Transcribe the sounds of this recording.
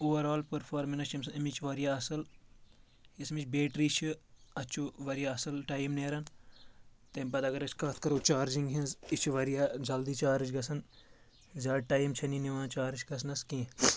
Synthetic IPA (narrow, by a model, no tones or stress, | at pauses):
oːʋɐɾaːlpɐɾfʰaːɾmɐnɐt͡ʃʰɐmsɐmit͡ʃʰʋɐɾjaɐsɐl | ismit͡ʃʰbeːʈɾit͡ʃʰiɐt͡ʃʰuʋɐɾijaɐsɐlʈɐːjimneːɾɐn | t̪empɐd̪ɐɡɐɾɐt͡ʃʰkɐt̪ʰkɐɾoːt͡ʃaːɾd͡ʒiŋɡɦĩnzit͡ʃʰʋɐɾjaːd͡ʒɐld̪it͡ʃaːɾit͡ʃʰɡɐsɐn | zaːʈɐːjimt͡ʃʰɐniniʋãːt͡ʃaːɾit͡ʃʰɡɐs̬nɐskĩː